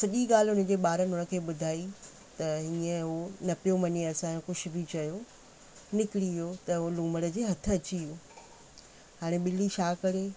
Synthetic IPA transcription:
sɐʄiɡaːl̤ɪɦʊnə̆d͡ʑeːɓaːɾənɪɦʊnə̆kʰeːɓʊd̪ʱaːi | t̪ɐɦiːə̃ɦonɐpijomɐɲeɐsãːõkʊʃʰʊ̆bʱit͡ɕɐjo | nɪkɪɽiʋijot̪ɐɦolũːməɽə̆d͡ʑeːɦɐt̪ʰə̆ɐt͡ɕioː | haːɽ̃eɓɪliʃaːkɐɽe

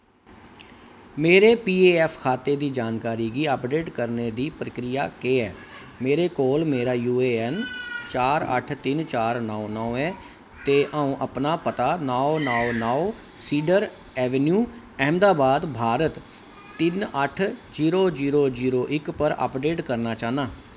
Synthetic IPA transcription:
meːɾeːpiːeːɛːpʰkʰaːt̪eːd̪iːd͡ʒaːnkaːɾiːɡiːəpɖeːʈkəɾneːd̪iːpɾəkɾɪjaːkeːɛː | meːɾeːkoːlmeːɾaːjuːeːɛnt͡ʃaːɾə̰ʈʰt̪ɪnt͡ʃaːɾnɔːnɔːɛ̃ː | t̪eːʔaːũːʔəpnaːpət̪aːnaːonaːonaːo | siːɖəɾ | ɛːʋɛnjuː | ɛːmd̪aːbaːd̪bʱaːɾət̪ː | ɪnəʈʰd͡ʒiːɾoːziːɾoːd͡ʒiːɾoːʔɪkpəɾə̰pɖeːʈkəɾnaːt͡ʃaːnaː

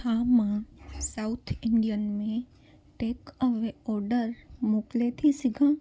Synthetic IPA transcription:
amãsaʊt̪ʰɪɳɖijənmẽ | ʈeːkəʋeɔːɾɖəɾmoːklet̪ʰisɪɡã

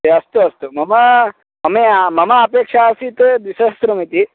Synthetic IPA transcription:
ɐst̪uɐst̪umɐmɐ | mɐmeamɐmɐːpeːkʂaːsit̪d̪isɐst̪ɾumit̪i

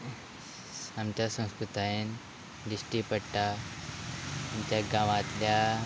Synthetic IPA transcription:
amt͡ɕʲasə̃wskɾut̪aen | ɖisʈipəʈːa | amt͡ɕaɡaʋat̪lja

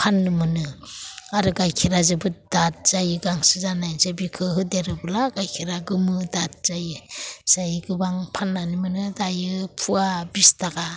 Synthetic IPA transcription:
pʰanːɯmɯnɯaɾɯɡajkʰiɾazɯbɯdat̚z̥ajɯɡaŋsɯzanajnsebikʰɯɦɯdeɾɯbulaɡajkʰiɾaɡɯmɯdat̚z̥ajɯz̥ajɡɯbaŋpʰanːanimɯnɯdajɯpʰuabistaɡa

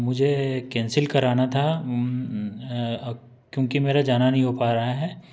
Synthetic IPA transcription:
mʊd͡ʒʱekɛ̃ːnsɪlkɐɾaːnat̪ʰa | kjõːkimeːɾad͡ʒaːnanɐɦĩɦopaːɾɐɦaɦɛː

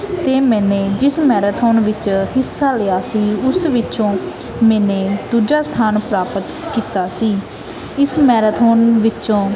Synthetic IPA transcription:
t̪eːmɛ̃ːnẽːd͡ʒɪsmɛːɾaːt̪ʰoːnʋɪt͡ʃhɪsːaːlejaːsiːʊsʋɪt͡ʃõː | mɛ̃ːnẽːd̪uːd͡ʒaːst̪ʰaːnpɾaːpət̪kiːt̪aːsiː | ɪsmɛːɾət̪ʰoːnʋɪt͡ʃõː

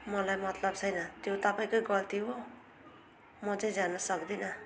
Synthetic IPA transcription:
mʌlajmʌt̪lʌbt͡sʰʌjnʌt̪jot̪ʌpaĩkʌjɡʌlt̪ʰiɦo | mʌt͡sʌ̃ĩd͡zanʌsʌkd̪inʌ

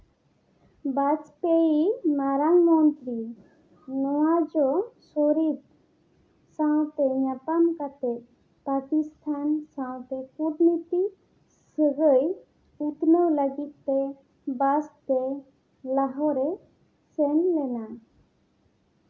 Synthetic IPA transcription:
bat͡ʃpeimaɾaŋmɔnt̪ɾi | nɔwad͡ʒɔsoɾit̪ | saw̃t̪ɛɲapamkat̪ɛt̪̚ | pakist̪ʰansãw̃t̪ɛkuʈnit̪i | səɡəj | ut̪nəwləɡit̪ːɛ | bast̪ɛ | laɦɔɾɛ | sɛnlɛna

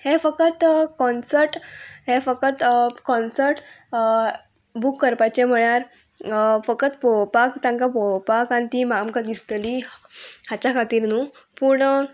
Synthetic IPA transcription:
hefəkət̪kɔnsəɾʈɦefəkət̪kɔnsəɾʈ | bukːəɾpajt͡ɕem̤əɭ̃aɾ | fəkət̪popakt̪ãŋkapopakant̪imamkad̪ist̪li | hat͡ɕakʰat̪iːɾnuː | puɳ

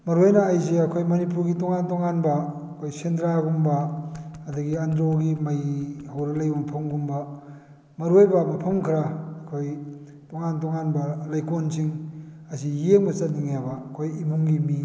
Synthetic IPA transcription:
mɐɾojnɐːjzeɐkʰojmɐnipuɾɡitoŋantoŋanbɐːkʰojsentɾaɡumbɐɐdɐɡiɐndɾoɡimɐjhawɾɐlɐjbɐmpʰɐmɡumbɐ | mɐɾuojbɐmɐpʰɐmkʰɾaːkʰoj | toŋantoŋanbɐlɐjkonsiŋ | ɐsijeŋbɐsɐt̚niŋjabɐkʰojimuŋɡimi

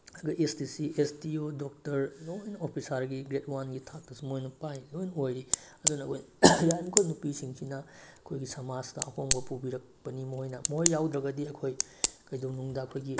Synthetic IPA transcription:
ɐɡɐʔestisiʔestiodok̚tɐɾlojnopʰisaɾɡiɡɾetwanɡitʰak̚tɐsimojnupajlojnojɾiɐdunɐːkʰojjajmkʰojnupisiŋsinɐɐkʰojɡisɐmaztɐɐhoŋbɐpubiɾɐk̚pɐnimɐhojnɐmojːawd̪ɾɐɡɐdiɐkʰoj | kɐjdownuŋdɐɐkʰojɡi

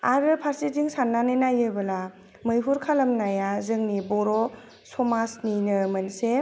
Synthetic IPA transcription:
aɾɯpʰaɾsiziŋsanːanenajɯbɯla | mɯjɦuɾkʰalɐmnajazɯŋnibɔɾɔ | sɔmasninɯmɯnse

